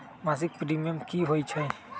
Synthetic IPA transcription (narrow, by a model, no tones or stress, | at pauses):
mazik̚pɾimiɔmkiɦojt͡ʃʰɔj